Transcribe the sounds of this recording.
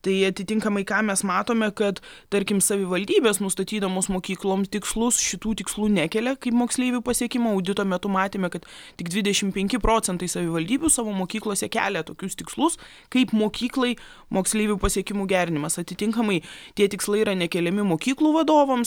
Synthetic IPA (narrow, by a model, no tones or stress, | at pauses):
t̪ɐɪɐt̪ʲɪt̪ʲɪŋkɐmɐɪkɑːmʲɛsmɑːt̪oːmʲɛkɐt̪ | t̪ɐɾʲkʲɪmsɐʋʲɪʋɐlʲd̪ʲiːbʲeːsnʊst̪ɐt̪ʲiːd̪ɐʋoːsmoːkʲiːklˠoːmt̪ʲɪkslˠʊsʃʲɪt̪uːt̪ʲɪkslˠuːnʲækʲɛlʲɛkɐɪpmoːksʲlʲeːʋʲupɐsʲiɛkʲɪmoːɐʊd̪ʲɪt̪oːmʲɛt̪ʊmɑːt̪ʲeːmʲɛkɐt̪tʲɪɡd̪ʋʲɪd̪ʲɛʃʲɪmpʲɛŋʲkʲɪpɾoːt͡sʲɛnt̪ɐɪsɐʋʲɪʋɐlʲd̪ʲiːbʲusɑːʋoːmoːkʲiːklˠoːsʲɛkʲæ̰ːlʲɛt̪oːkʲʊst̪ʲɪkslˠʊs | kɐɪpmoːkʲiːklˠɐɪ | moːksʲlʲeːʋʲupɐsʲiɛkʲɪmuːɡʲæːɾʲɪnʲɪmɐsɐt̪ʲɪt̪ʲɪŋkɐmɐɪt̪ʲiɛt̪ʲɪkslˠɐɪiɾɐnʲɛkʲɛlʲɛmʲɪmoːkʲiːklˠuːʋɐd̪oːʋɐms